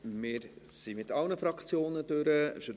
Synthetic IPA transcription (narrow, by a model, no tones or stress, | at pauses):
mɪːɾ | simɪtɑlnəfɾɑkt͡sjoːnədøɾəʃə